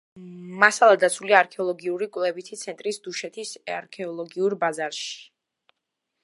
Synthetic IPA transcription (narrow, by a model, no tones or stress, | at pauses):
masalˠad̪at̪sʰuliaaɾkʰɛɔlˠɔɡiuɾikʼwlɛbit̪ʰit̪sʰɛnt̪ʼɾisd̪uʃɛt̪ʰisaɾkʰɛɔlˠɔɡiuɾbazaɾʃi̥